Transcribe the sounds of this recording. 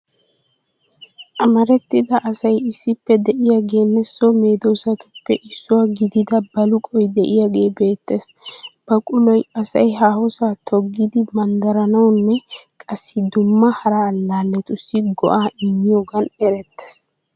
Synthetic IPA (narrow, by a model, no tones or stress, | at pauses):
ʔɐmɐɾɛt̪ːɪd̪ɐʔːsɐjɪsːɪpːɛd̪ɛʔɪjaːɡe̞ːnːɛsɔme̞ːd̪oːsɐt̪ʊpːɛʔɪsːʊwaːɡɪd̪ɪd̪ɐbɐlʊkʼɔjd̪ɛʔɪjaːɡe̞ːbe̞ːt̪ːe̞sb̥ɐkʼʊlɔjɐsɐjɦaːhɔsaːt̪ʰɔɡːɪd̪ɪmɐnd̪ɐɾɐnɐwnːɛkʼɐsːɪd̪ʊmːɐhɐɾalːaːlːɛt̪ʼʊsːɪɡɔ̰ʔaːʔɪmːɪjoːɡɐnɛɾɛt̪ːes